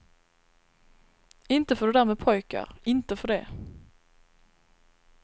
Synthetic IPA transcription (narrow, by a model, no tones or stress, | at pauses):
ɪnt̪əfɔʁd̪ʉːd̪æʁmeːpʰɔʏkə̰ʁɪnt̪əfɔd̪eː